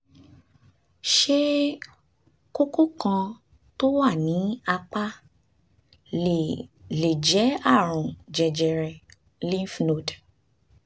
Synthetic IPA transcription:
ʃe˦ | ko˦ko˦kã˧ | to˦wa˦˨nĩ˨˦a˧k͡pa˦˨ | le˨d͡ʒɛ˨˦a˦˨ɾ̃ũ˨d͡ʒɛ˨d͡ʒɛ˨ɾɛ˨ | li˦fi˧no˨d

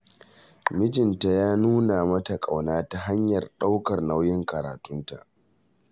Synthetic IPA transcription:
mɪ˦tɪ˨nta˨jaː˦nuː˦na˨mɐ˦ta˨kʼa˨wnaː˦ta˨ɦa˦ɲjɐ˨rɗa˦wkɐ˨rna˦wjɪ˦ŋkɐ˨ɾa̰ː˨tʊ˦nta̰˨ʔ

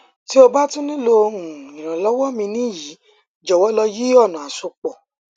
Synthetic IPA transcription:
ti˦o˧ba˦tũ˦nĩ˦lo˧ɾũ˨ĩ˨ɾ̃ã˨lɔ˦wɔ˦mĩ˧nĩ˦˨jiː˨˦ | d͡ʒɔ˨wɔ˦lɔ˧ji˦ɔ˦˨nã˨a˨so˧k͡pɔ˨

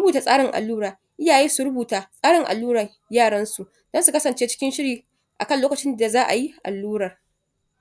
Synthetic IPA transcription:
ʊ˦buː˨taː˦sʼaː˦ɽɪ˨ŋʔa̰˨lːuː˦ɽaː˨ | ʔɪ˦jaː˨jeː˦su˨ɽʊ˦buː˨taː˨sʼaː˦ɽɪ˨ŋʔa̰˨lːuː˦ɽɐ˨ | jaː˦˨ɽɐ˦nsu˨ʔ | d̥ɔ˦nsu˨kɐ˦sɐ˨nt͡ʃeː˦t͡ʃɪ̥˦kʲɪ˦nʃɪ˦ɽiː˨ | ʔa˨kɐ˦nloː˦kɐ˨t͡ʃɪ˦nda˨zaː˦ʔa̰˨ji˦ʔa̰˨lːuː˦ɽɐ˨r

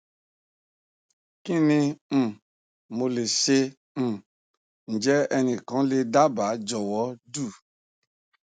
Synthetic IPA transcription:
ki˦nĩ˧˨ | mo˧le˨ʃẽ˧˨ | n̩˨d͡ʒɛ˦ɛ˧nĩ˧˨kã˨˦le˧da˦ba˨˦d͡ʒɔ˨wɔ˨˦du˦˨

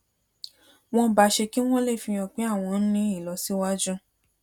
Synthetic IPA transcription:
w̃ɔ̃˧ba˧ʃe˧ki˦w̃ɔ̃˦le˦˨fĩ˧j̃ɔ̃˨k͡pe˨˦a˦˨w̃ɔ̃˧n̩˦nĩ˦i˦˨lɔ˨˧si˦wa˦d͡ʒũ˦

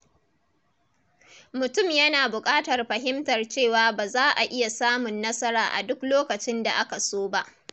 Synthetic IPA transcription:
mʊ˨tʊ˦˨mjɐ˦naː˨bʊ˨kʼaː˦tɐ˨rɸɐ˨ɦɪ˦mtɐ˨rt͡ʃeː˦˨waː˨˦baː˨zaː˦ʔa˨ʔɪ˦ja˨saː˦mʊ˨nːɐ˦sɐ˦ɾaː˨ʔa̰˨dʊ˦kloː˦kɐ˨t͡ʃɪ˦nda˨ʔa˦ka˨soː˦ba˦ʔ

